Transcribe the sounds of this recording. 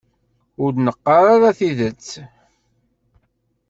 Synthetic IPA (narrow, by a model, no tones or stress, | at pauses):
ʊɾd̪nəqːɑɾaɾaθiðət͡sː